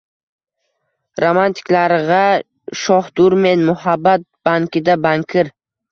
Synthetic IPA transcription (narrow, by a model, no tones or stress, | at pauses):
ɾomant̪ʰɪ̥kʲlaɾʁɑ | ʃɒhd̪ʊɾme̞nmʊhabːat̪̚b̥aŋkʲɪd̪abaŋkʲʰɪɾ